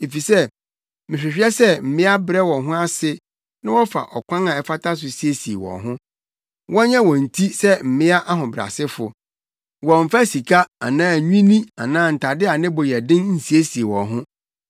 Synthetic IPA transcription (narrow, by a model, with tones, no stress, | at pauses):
e˨fi˨sɛ˦ | mɪ̃˨ɕᶣɪ˨ɕᶣɛ˦sɛ˦m̩˨mɪ̃˦a˦bɾɛ˦wɔ̃˨nɦʊ̃˦a˦sɪ˦ | nã˦wɔ˦fa̰˨ʔɔ˨kʷʰã˦nã˨ɛ˨fa˦tʰa˦s̬ʊ˨si˨e˦si˨ḛ˨wɔ̰̃˨ɦʊ̃˦ | wʔɔ̃˦ɲɛ̃˦wɔ̃˨n̩˨tʰi˦sɛ˦m̩˨mɪ̃˦a˦ʔa˦ɦʊ̃˨bɾa̰˨sɪ˦fʊ˨ | wɔ̃˨ɱ̩˨fa˦si˨kʰa˦a̰˨nãː˦˨ɲᶣĩ˦nĩ˦a̰˨nãː˦n̩˨tʰa˨dɪ˦a˨nɪ̃˦bɔ˨jɛ˨dɪ̃˦nn̩˦si˨e˦si˨e˨wɔ̰̃˨nɦʊ̃˦